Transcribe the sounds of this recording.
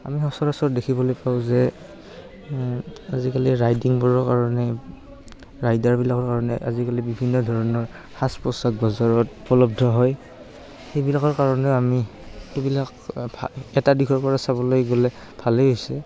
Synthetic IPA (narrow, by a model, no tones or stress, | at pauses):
a̰mixɔsɔɹasɔtdekʰibɔlojpaʊ̃zɛ | azikaliɹajdiŋbɔɹɔɹkaɹɔnɛ | ɹajdaɹbilakɔɹkaɹɔnɛ̰ʔa̰zikalibibʱinːɔdʱɔɹɔnɔɹ | xaspɔsak̚bɔzaɹɔtupɔlɔb̚dʱɔɦɔj | xejbilakɔɹkaɹɔnɛamiebilakaɛtadikʰɔɹpɔɹasaβɔlojɡolɛ | bʰʱalɛojsɛ